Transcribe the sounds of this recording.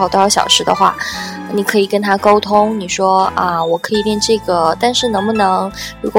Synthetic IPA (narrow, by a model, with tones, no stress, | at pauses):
ɑ˥˩ʊt̪ɕjɑ̰˨˩ʊʂɻ̩˧˥d̪ə̰˧xwa̰˥˩˧ | ni˨˩kʰɤ˧˥i˨˩kə˥nt̪ʰa˥ko˥ʊt̪ʰʊ˥ŋni˨˩ʂwɔ˥ə˧wɔ˨˩kʰɤ˧˥i˨˩ljɛ˥˧nʈ͡ʂɤ˥˩ɡə˩t̪a˥˧nʂɻ̩˥˩nɤ˧˥ŋbu˧nɤ˧˥ŋɻu˧˥kʷɔ˨